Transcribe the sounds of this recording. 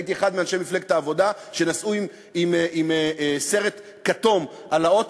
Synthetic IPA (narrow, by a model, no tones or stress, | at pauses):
it̪ieχad̪meanʃemifleɡe̥taːvo̞d̪a | ʃe̞nasʔuim | imimse̞ʁe̞t̪ | kat̪o̞m | ʔalao̞t